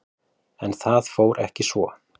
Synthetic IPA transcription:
ɛnθaðfoːwɾʔɛ̰hcɪsvɔ

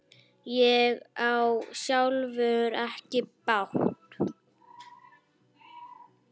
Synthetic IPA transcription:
jɛɣawsjawlvœːɣʏɾɛhcɪpawht̪

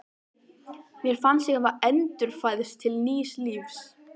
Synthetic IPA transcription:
mjɛɾ̥fant̪siɣavaɛnt̪ʏɾ̥faːjðʏst̪ʰɪlniːsliːfs

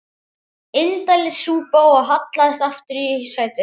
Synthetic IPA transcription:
ɪnt̪alɪsuːpawaɦat̪laðɛst̪aft̪ʏɾisvaːjt̪ɪ

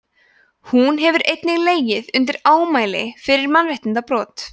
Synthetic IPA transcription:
hunɦɛvʏɾʔejt̪nɪɣleːjɪðʏnt̪̬ɪɾaːwmaːjlɪ̰fɪɾɪɾmanvejht̪ɪnt̪apɾɔːt̪

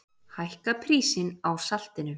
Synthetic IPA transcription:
hajhkapʰɾiːsɪnawsal̥t̪ɪnʏ

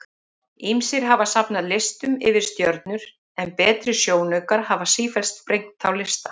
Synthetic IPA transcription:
imsɪɾ̥ɦavasapnaðlɪst̪ʏmɪvɪɾ̥st̪jœɾt̪nʏɾ̥ | ɛnpɛːt̪ɾɪsjoːwnœɥkaɾ̥havasiːfɛlst̪pɾejŋt̪ʰawlɪst̪ḁ

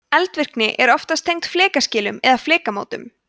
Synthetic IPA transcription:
ɛlt̪vɪr̥knɪʔɛɾɔft̪ast̪ʰejŋkt̪flɛːkascɪːlʏmɛðaflɛːkamo̰ːwt̪ʏm

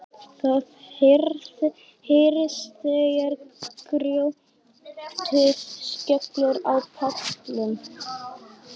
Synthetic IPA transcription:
θaθhɾθ | hejɾɪst̪ɪjɛɾkɾjow | t̪ʰɪscœklʏɾawpʰaktlʏm

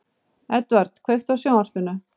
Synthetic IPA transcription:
ɛt̪vaɾt̪kʰvejxt̪vasjoːwnar̥pɪnːʏ

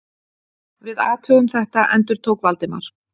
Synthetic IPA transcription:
vɪðaːt̪hœɣʏmθɛht̪aʔɛnt̪ʏɾ̥t̪ʰowkvalt̪ɪma̰ɾ̥

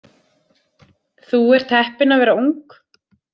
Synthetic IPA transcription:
θuɛɾ̥t̪ʰɛhpɪnavɛːɾauŋk

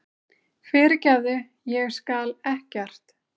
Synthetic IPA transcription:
fɪːɾɪcaðʏ | jɛɣskaːlɛhcɛr̥t̪

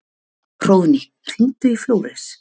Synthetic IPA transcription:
r̥oːwni | r̥int̪ʏifjoːwɾɪs

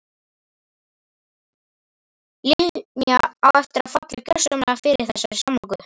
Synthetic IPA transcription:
lɪlnjaawɛft̪ɪɾafat̪lɪcœ̥sœmaafɪɾɪɾ̥θɛsːaɪ̥samlɔwkʏ

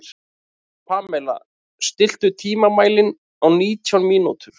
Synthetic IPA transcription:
pʰaːmɛla̰ | st̪ɪl̥t̪ʏt̪ʰiːmamaːjlɪn | awniːt̪ʰjawnmiːnṵt̪ʏɾ̥

